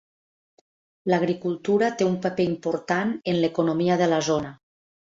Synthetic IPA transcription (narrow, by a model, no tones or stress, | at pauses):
laɣ̞ɾikulˠt̪uɾat̪eumpapeimpoɾt̪anenlekonomiaðəlazona